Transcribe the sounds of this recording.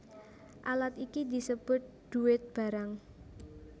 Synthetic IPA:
ʔalat̪ikid̪i̤səb̥ʊ̤t̪̚d̪̥uɪt̪̚b̥a̤ɾaŋ

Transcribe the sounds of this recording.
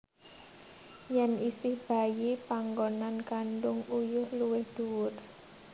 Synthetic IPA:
jɛnisɪhb̥a̤jepaŋɡonankanɖʊŋujʊhluwɪhd̪̥uwʊr

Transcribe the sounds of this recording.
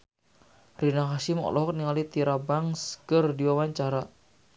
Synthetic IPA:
rinakaʃɪmɔ̰lɔɦɔk̚niŋalit̪iɾabaŋsɡərdiwawaɲt͡ʃaɾa

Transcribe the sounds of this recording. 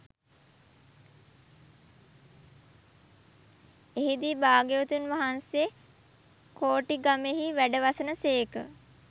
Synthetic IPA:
eɦid̪iːbaːɡeot̪unʋaɦansje | koːʈiɡameɦiʋæɖəʋasənəseːkə̰

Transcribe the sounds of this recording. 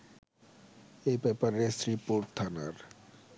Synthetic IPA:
ejbɛpaɾesɾipoɾʈ̚t̪ʰanaɾ

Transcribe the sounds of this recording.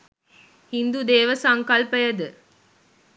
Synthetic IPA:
hind̪ud̪eːʋəsɐŋkɐlpəjɐd̪ɨ

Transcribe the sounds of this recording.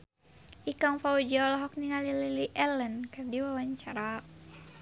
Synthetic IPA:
ʔikaŋfaud͡ʒlɔɦɔk̚niŋalililiʔɛlɛnkardiwawaɲt͡ʃaɾa

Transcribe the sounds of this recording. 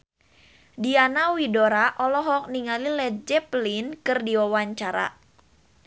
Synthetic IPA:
dianawidoɾaʔɔlɔɦɔk̚niŋalilɛd͡ʒɛplinkɨrdiwawaɲt͡ʃaɾa̰

